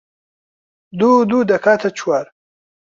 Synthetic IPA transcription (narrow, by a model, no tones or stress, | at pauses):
d̪ud̪ud̪ɐkat̪ʰat͡ɕʰwaɾ